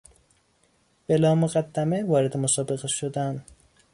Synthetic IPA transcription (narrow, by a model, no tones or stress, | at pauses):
b̥e̞lɒːmoɣæd̪ːæmevɒːɾed̪emosɒːbe̞ɣeʃod̪æn